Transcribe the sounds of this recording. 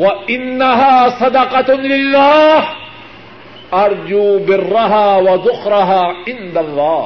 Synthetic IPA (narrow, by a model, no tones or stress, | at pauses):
waʔɪnːaɦaːsˤɑd̪ɑqɑt̪lɪlːaːh | ʔɑɾˤd͡ʒuːbɪrːaɦaːwɐzʊxɾɪɦaːʕɪnd̪alˤːɑː